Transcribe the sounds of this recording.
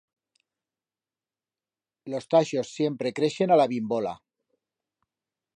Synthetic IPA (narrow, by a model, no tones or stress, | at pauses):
lo̞st̪aʃo̞sːje̞mpɾe̞kɾeʃe̞nalaβimbola̰